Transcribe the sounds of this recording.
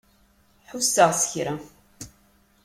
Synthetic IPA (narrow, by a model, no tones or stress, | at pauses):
ħusːəʁsə̥çɾæ